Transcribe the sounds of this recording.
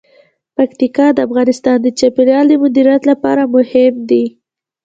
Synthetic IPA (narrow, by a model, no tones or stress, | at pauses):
pakt̪ikɑd̪əafɣɑnɪst̪ɑnd̪ət͡ʃapiljɑld̪əmʊd̪iɾjat̪lapɑ̰ɾamʊhɪmd̪i